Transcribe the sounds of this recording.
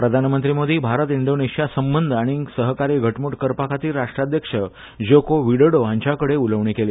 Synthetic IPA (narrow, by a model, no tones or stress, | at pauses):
pɾəd̪ʱanmənt̪ɾimod̪ʱiːbʱaɾət̪iɳɖoneɕijasəmbənd̪ʱaɽ̃isəɦkaɾiːɡʱəʈmuʈkəɾpakʰat̪iːɾaʂʈɾad̪ʱjəkʂə | d͡ʑokoʋiɽəɽoãɲt͡ɕakəɽeuləʋɳikeliː